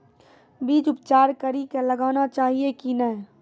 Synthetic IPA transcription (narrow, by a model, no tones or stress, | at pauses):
biːd͡ʒʊpt͡ʃaːɾkəɾikelɐɡaːnat͡ʃaːɦiekinəɦ